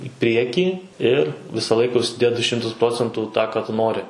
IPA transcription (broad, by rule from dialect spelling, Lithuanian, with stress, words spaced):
ɪ ˈpʲrʲiɛkʲiː ɪr ˈʋʲɪsɐ ˈlˠɐɪkɐ ʊʃʲsʲɪˈdʲeːt dʊ ˈʃʲɪmtʊs ˈproːt͡sʲɛntuː ˈtɑː ˈkɑː tʊ ˈnoːrʲɪ